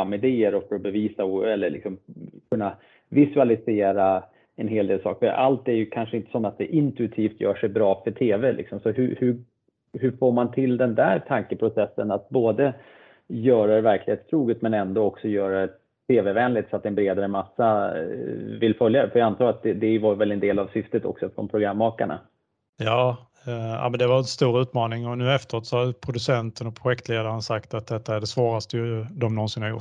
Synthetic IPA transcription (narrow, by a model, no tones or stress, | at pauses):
amːɪd̪eːəɾɔfœɾɔbɛviːsaɛlːəɭɪ̰ksɔmkʰɵnːa | vɪsɵalɪseːɾa | ɛnɦeːld̪eːlsɑ̰ːkfœɾʔa̰lt̪æɾjɵkʰanʂəɪnt̪ə̥sɔmat̪̚d̪ɛʔɪnt̪ɵɪt̪ʰiːft̪jœ̰ːʂɛjbɾɑːfœʈʰeːvɛlɪ̰ksɔmsɔɦɵhɵ | hɵfoːɾmant̪ʰɪld̪ɛnd̪æːɾʈʰaŋkəpʰɾʊsɛsːənat̪̚boːd̪ə | jœːɾaɾɛvæɾklɪheːt̪st̪ʰɾuːɡət̪mɛnɛnd̪ɔɔksɔjœːɾad̪ɛ | t̪ʰeːvɛvɛːnlɪt̪sɔat̪ːɛnbɾeːd̪aɾəmasːa | vɪlfœljaɛfœɾjɑant̪ʰɑːɡɾat̪̚d̪ɛd̪ɛvaɾvɛlɛnd̪eːlavsʏft̪ət̪ɔ̰ksɔfɾɔ̰npʰɾʊɡɾamːɑːka̰ɳa̰ | jɑː | a̰mɛnd̪ɛvaɾɛnst̪uːɾʉ̟ːt̪mɑːnɪŋɔnʉ̟ːɛft̪əɾoːt̪sɔhapʰɾʊd̪ɵsɛnt̪ənɔpʰɾʊɧɛkt̪leːd̪aɾənsakt̪at̪̚d̪ɛt̪ʰːaæɖɛsvɑːɾast̪əjɵd̪ɔmnɔnsɪnhaɾjʊ̰